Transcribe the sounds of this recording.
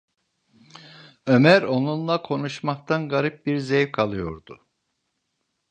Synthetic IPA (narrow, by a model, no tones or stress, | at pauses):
ø̞mæɾo̞nunlˠakʰo̞nuʃmak̚t̪ʰanɡaɾip̚biɾzejvkʰalˠɯjo̞̰ɾd̪ʊ